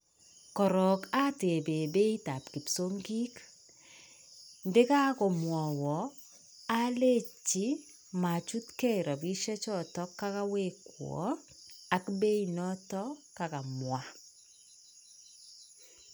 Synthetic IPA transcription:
kɔ˨ɾɔ˨ka˦te˨be˨be˦ita˨pki˨pso˦ŋɡi˦k | ndɪ˦ka˦kɔ˨mwɔ˨wɔ˨ | a˦le˦t͡ʃːi˦ | ma˨t͡ʃu˦tkɛ˦ɾɔ˨bi˦ʃɛ˦t͡ʃɔ˦˨tɔ˦kːa˦ka˦we˦kwɔ̰˨˦ | a˨kbe˦inɔ˦tɔka˨ka˨mwa

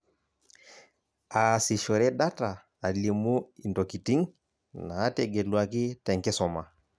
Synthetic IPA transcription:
a˨si˨ʃɔ˨ɾɛ˦ɗa˦taː˨ | li˨mu˦i˨ndɔ˨ki˨ti˦ŋ | naː˨˦tɛ˨ɡɛ˨lwa˨ki˦tɛ˨ŋkɛ˦sɔ˨ma˨

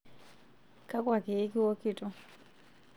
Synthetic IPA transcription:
ka˦kʼwa˨ke˨˦ki˦wɔ˦ki˦˨tʼɔ˦

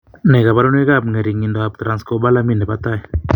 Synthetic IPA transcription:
ne˨ɡa˨ba˦ɾu˦n˦i˦ɡa˦bŋe˨ɾi˨ŋi˧nd̪o˧a˧b̚t̪ɾa˨nsko˧ba˦la˧mi˦ne˨ba˧t̪a˦j

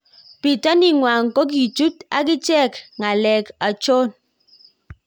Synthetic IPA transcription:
pi˨ta˦ni˦ŋwa˨ŋ̩˨ko˦k̬i˨tu˦ta̰˦k̬i˦t͡ʃɛ˦˨kŋa˨lɛ˨ka˨t͡ʃo˦n

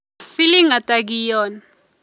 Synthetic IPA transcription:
si˦li˦ŋa˨tʼaɡijɔː˨na

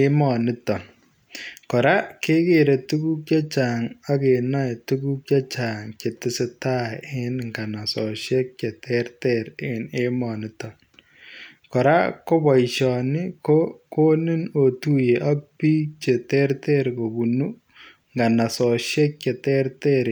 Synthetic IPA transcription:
e˦mɔ˨nɪ˦tɔ˨ | kɔ˨ɾa˦ke˦ke˨ɾe˨tu˦ku˦k̚t͡ʃa˦t͡ʃa˨ŋa˦ke˨na˦˨tu˦ku˦k̚t͡ʃa˦t͡ʃa˨ŋke˨tɪ˦se˦ta˦ɪ˦nŋɡa˨na˨sɔ˨ʃje˦k̚t͡ʃe˨tɛ˦ɾtɛɾɪ˨ne˦mɔ˨nɪ˦tɔ˨ | kɔ˨ɾa˦ko˦ba˨i˨ʃɔ˨nɪ˦ko˦ko˦nɪ˦no˨tu˦je˨ʔa˦k̚pi˦t͡ʃe˨tɛ˦ɾtɛ˦ɾko˨bu˨nu˦ | ŋɡa˨na˨sɔ˨ʃɛ˦k̚t͡ʃe˨tɛ˦ɾte˦ɾ

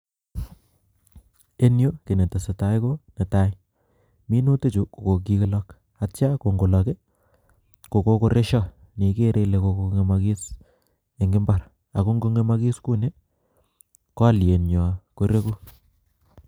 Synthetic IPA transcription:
e˦njo˦ke˨ne˨te˨se˨ta˨˦jko˦ne˨ta˦j | mi˦nu˦te˦t͡ʃu˨ko˨ko˨k̬i˦kɪ˦lɔ˦k | a˨t͡ʃa˦ko˨ŋɡo˨lɔ˨ke˦ | ko˨ko˦ko˦ɾe˦ʃɔ˦ | ni˨ke˦ɾe˦le˨ko˨ko˨˦ŋe˨ma˨ki˦s | e˨ŋɡɪ˦mba˦ɾ | a˨ko˦ŋɡo˦ŋe˦ma˦ki˦sku˦ne˦ | kɔ˦a˦lje˨nɲɔ˨ko˨ɾe˦ko˦

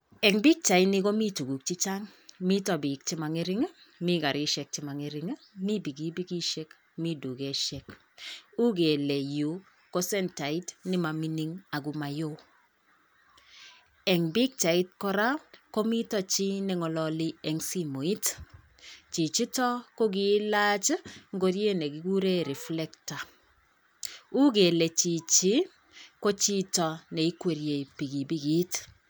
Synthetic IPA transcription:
ɛ˨ŋbi˦k̚t͡ʃa˨i˦nɪ˦ko˦mi˦tu˨ɡu˨k̚t͡ʃi˦t͡ʃa˦ŋmi˦tɔ˨bi˨k̚t͡ʃi˦ma˨ŋi˦ɾɪ˦ŋ˦ | mi˦ɡa˨ɾɪ˦ʃɛ˨k̚t͡ʃɪ˨ma˨ŋi˦ɾɪ˦ŋ˦mi˦bi˨ɡi˦bi˦ɡi˦ʃɛ˦k | mi˦du˨ɡe˦ʃɛ˦k | u˦ɡe˨lɛ˨ju˨ | ko˦sɛ˦nta˨i˦tnɪ˦ma˨mi˦ni˦ŋa˨ɡu˨ma˨jo˦ | ɛ˨ŋbi˦k̚t͡ʃa˨i˦t̚kɔ˦ɾa˦ko˦mi˦tɔ˨t͡ʃi˦nɛ˨ŋɔ˨lɔ˨lɪ˦ɛ˨ŋsi˦mo˨i˦t | t͡ʃi˨t͡ʃi˦tɔ˦ko˦ɡi˦la˦t͡ʃŋɡo˦ɾje˦nɛ˨ɡi˨˦ɡu˦ɾe˦ɾi˨flɛ˦kta˨ | u˦ɡe˨le˨t͡ʃi˨t͡ʃi˦ | ko˦t͡ʃi˦tɔ˨nɛ˨i˦kwe˨ɾje˨i˨pi˨ɡi˨bi˦ɡi˦t

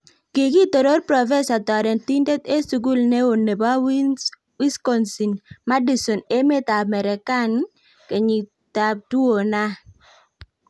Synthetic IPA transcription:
kɪ˨ki˦t̪o˨ɾo˦ɾpɾɔ˨fɛ˦sa˨tɔ˨ɾɛ˨nt̪i˦nde˦t̪e˦su˨ɡu˦lne˦o˨ne˨ba˦w | wi˦skɔ˨nsi˨nma˦di˨so˨ne˦me˦t̪a˨mɛ˨ɾɛ˨ka˦n | ke˨ɲi˨ | ta˨p̚tu˦o˨na˦

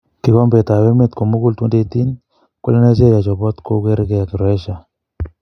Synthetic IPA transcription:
ki˨˦kɔ˦mbe˨ta˨we˦me˦t̪ko˨mo˦ɡu˦ltwu˦nde˦t̪i˦n | ko˦le˦ne˦t͡ʃe˦ja˨t͡ʃɔ˨bɔ˦t̪ko˦ɡe˦ɾɡe˦a˨ki˨ɾɔɛ˦ʃa˨

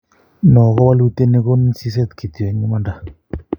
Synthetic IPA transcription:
nɔ˨kɔ˦wa˦lu˦t̪e˦ne˦ko˦nsi˦s̬ɛ˦t̪kʰi˨t̪ɛ˨˦ɲu˦ma˦nda˦˨

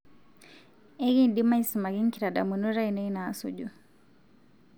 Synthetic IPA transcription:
e˦ɣi˦ndi˦ma˦i˦si˨ma˨ɣi˦ŋ˦ki˨ɾa˨da̰˨mu˨nu˦ɾa˦i˨ne˦i˦naː˦sṵɟu˦

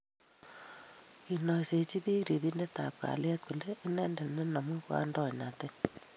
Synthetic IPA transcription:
ki˨nɔ˨se˨t͡ʃi˦βi˦kɾi˨βi˦nde˦ta˨p̚ka̰˨lja˦t̚ku˨le˦ʔːnɛ˦nde˨ne˦na˨mwe˦kwa̰ː˦ndɔ˦˨ɲa˨te˦

